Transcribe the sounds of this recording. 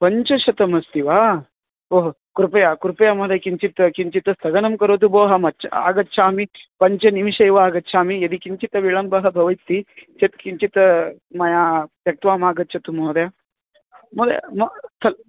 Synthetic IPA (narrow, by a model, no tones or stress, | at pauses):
pɐɲt͡ʃɐʃɐt̪ɐmɐst̪iʋaː | oːɦo | kuɾpɐjakuɾpɐjamoːd̪ɐjkiɲt͡ʃit̪ɐkiɲt͡ʃit̪ɐst̪ʰɐɡɐnɐmkɐɾot̪̬uboːɦɐmɐt͡ʃʰɐ̰a̰ːɡɐtːʃʰaːmipɐɲt͡ʃɐnimiʃɐjʋɐaːɡɐtːʃʰaːmijɐd̪ikiɲt͡ʃit̪ɐʋiɭɐmbɐɦɐbʱɐʋɐjt̪ːit͡ʃet̪̚kiɲt͡ʃit̪ɐ | mɐjaːpjɐk̚t̪ʋaːmaːɡɐtːt͡ʃʰɐt̪umoːd̪ɐja | mod̪ɐ̰mɐt̪ʰɐl